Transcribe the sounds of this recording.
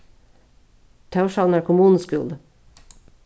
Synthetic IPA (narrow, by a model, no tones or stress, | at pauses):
t̪ʰɑʉʃɑnæːɾkʰʊmuːnn̩skʉ̰ld̪